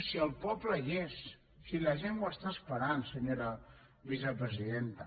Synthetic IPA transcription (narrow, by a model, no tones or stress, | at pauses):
siəlˠpɔbləʎesː | iləʒenwəst̪aəspəɾansəɲoɾə | βizəpɾəziðent̪ə